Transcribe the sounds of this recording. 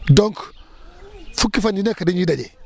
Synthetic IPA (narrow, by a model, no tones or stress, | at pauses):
doŋk | fukːifandinekadind͡ʒidad͡ʒe